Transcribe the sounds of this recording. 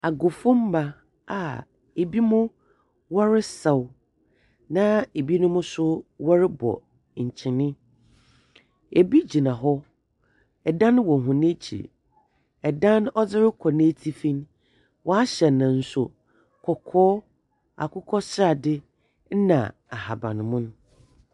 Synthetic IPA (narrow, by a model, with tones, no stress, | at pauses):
a˨ɡʊ˨fʊ̃˦m̩˦ba˨ | a˨ | e˨bi˦mʊ̃˦ | wɔ˦ɾɪ˦sa˨w | nã˦e˨bi˦nʊ̃˦mʊ̃˦sʊ˦wɔ˦ɾɪ˦bɔ̰˨ | ɲ̩˨t͡ɕʰɪ̃˨nɪ̃˦ | e˨bi˦d͡ʑi˨nã˨ɦɔ˦ | ɛ˨dã˦ñ˦wɔ̃˨ɦʊ̃˨nẽ˦t͡ɕʰḭ˨ | ɛ˨dã˦nɔ˦d͡zɪ˦ɾɪ˦kʰɔ˨nẽ˦tʰi˦fĩ˦n | wʔɔ˨a˦ɕɛ˨nã˨n̩˨sʊ˦ | kʰɔ˨kʰɔː˦ | a̰˨kʰʊ˦kʰɔ˦sɪ˦a˨dɪ˦ | n̩˦nã̰˨a˨ha˨bã̰˨nʊ̃˨mʊ̃˦n˦